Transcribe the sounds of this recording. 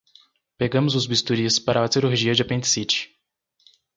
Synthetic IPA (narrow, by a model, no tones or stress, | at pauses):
peɡɐ̃mʊzʊzbist̪uɾispaɾɐasiɾuɾʒiɐd͡ʒɪapẽnt̪ɪ̥sit͡ʃɪ̥